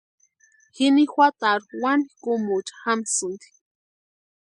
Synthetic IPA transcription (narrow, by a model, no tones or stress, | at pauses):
xinixʷwat̪aɾuwanikumut͡ʃḁxamsɨnd̪i̥